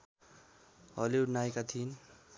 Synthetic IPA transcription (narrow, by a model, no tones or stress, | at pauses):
ɦʌ̰leuʈnaekat̪ʰin